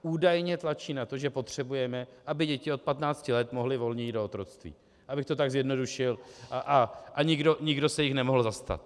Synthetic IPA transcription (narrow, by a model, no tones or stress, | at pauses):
uːdajɲɛt̪lat͡ʃiːnat̪o̞ʒɛpo̞t̪r̝̥ɛbujɛmɛʔabɪɟɛcɪo̞t̪̚pat̪naːt͡scɪlɛt̪mo̞ɦlɪvo̞lɲɛjiːdo̞ot̪ɾo̞t̪st̪vḭː | ʔabɪxt̪o̞t̪aɡzjɛdno̞duʃɪlʔʔaʔaɲɪɡdo̞ɲɪɡdo̞sɛjɪxnɛmo̞ɦl̩zast̪a̰t̪